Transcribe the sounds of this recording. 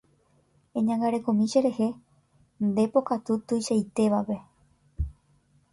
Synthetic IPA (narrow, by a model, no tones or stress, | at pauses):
ẽɲãŋɡaɾe̞kõmĩʃe̞ɾe̞he̞ | nd̪e̞po̞kat̪ut̪ɨjʃajt̪e̞ʋape̞